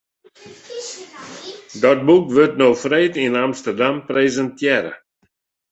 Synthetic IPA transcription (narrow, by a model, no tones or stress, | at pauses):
dɔt̚bukʋøtnoːfreːtinamstərdampreːzəntʰjɛɾə̰